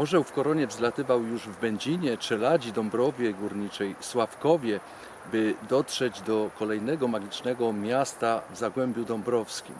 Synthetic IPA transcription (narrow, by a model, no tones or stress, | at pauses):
ɔʐɛwfkɔɾɔɲɛvzlat̪ɘvawjuʐvbɛɲd͡ʑiɲɛpʂɛlad͡ʑid̪ɔmbɾɔvʲjɛɡuɾɲit͡ʂɛjswafkɔvʲjɛ | bɘd̪ɔtʂɛd͡ʑd̪ɔkɔlɛjnɛɡɔmaɡʲit͡ʂnɛɡɔmʲjast̪avzaɡwɛmbʲjud̪ɔmbɾɔfskʲḭm